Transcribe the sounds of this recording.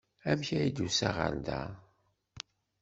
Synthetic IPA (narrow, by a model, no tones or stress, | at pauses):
æmçæjid̪usæʁə̰ɾd̪æ